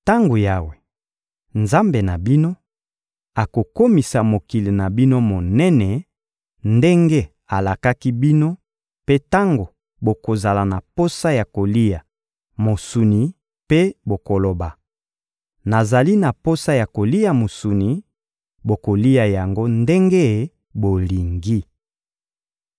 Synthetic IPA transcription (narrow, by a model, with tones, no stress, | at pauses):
ta˦ŋɡo˨ja˦we˨ | nza˦mbe˨na˨bi˦no˦ | a˨ko˨ko˦mi˨sa˨mo˨ki˨li˨na˨bi˦no˦mo˨nɛ˦nɛ˨ | nde˦ŋɡe˦ | a˨la˨ka˦ki˦bi˦no˦ | pe˦ta˦ŋɡo˨ | bo˨ko˨za˨la˨na˨po˦sa˦ja˨ko˨li˦ja˨ | mo˨su˨ni˨ | pe˦bo˨ko˨lo˨ba˨ | na˨za˨li˦na˨po˦sa˦ja˨ko˨li˦ja˨mo˨su˨ni˨ | bo˨ko˨li˦a˨ja˨ŋɡo˦nde˦ŋɡe˦˨˦ | bo˨li˨ŋɡi˦